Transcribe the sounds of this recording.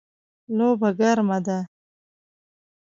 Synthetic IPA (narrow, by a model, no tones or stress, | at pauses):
lobaɡaɾmad̪a